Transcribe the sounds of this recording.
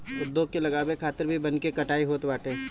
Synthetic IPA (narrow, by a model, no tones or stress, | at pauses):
ʊd̪oːkelɐɡaːbekʰaːt̪ɪɾbʱibɐnkekɐʈaːiɦoːt̪baːʈẽː